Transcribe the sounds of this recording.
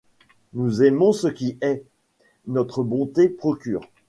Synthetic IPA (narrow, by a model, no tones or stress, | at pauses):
nuzɛmɔ̃səkʲiɛ | nɔt̪χəbɔ̃t̪epχɔkʲyːʁ